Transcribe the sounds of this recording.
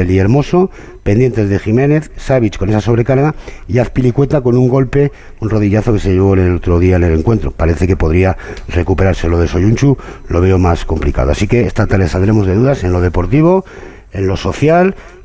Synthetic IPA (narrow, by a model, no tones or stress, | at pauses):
elieɾmo̞so̞ | pe̞nd̪je̞nt̪e̞zðe̞ximẽ̞ne̞θsaβ̞it͡ʃko̞ne̞saso̞βɾe̞kaɾɣaiaθpilikwe̞t̪ako̞nuŋɡo̞lpe̞ | unro̞ðiʎaθo̞ke̞se̞ʎeβonelot̪ɾo̞ðiaene̞le̞ŋkwe̞nt̪ɾo̞̰paɾe̞θe̞ke̞po̞ðɾiare̞kupe̞ɾaɾse̞lo̞ðe̞so̞ʎunt͡ʃulo̞βe̞omasko̞mplika̰ðoasike̞ːst̪at̪ale̞saβðɾe̞mo̞zðe̞ðuðase̞nlo̞ð̞e̞po̞ɾt̪iβ̞o̞ | e̞nlo̞so̞θjal